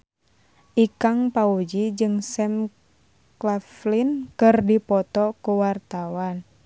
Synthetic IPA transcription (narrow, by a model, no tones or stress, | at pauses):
ʔikaŋpaud͡ʒid͡ʒɨŋsɛm | klaflinkɨrdipɔt̪ɔkuwart̪awan